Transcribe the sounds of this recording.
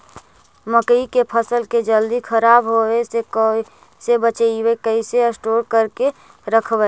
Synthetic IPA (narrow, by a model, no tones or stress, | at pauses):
məkəikepʰəsəlked͡ʒəld̪ikʰəɾaːbɦoesek | sebət͡ʃiwekəiseəsʈoːɾkəɾke | ɾəkʰb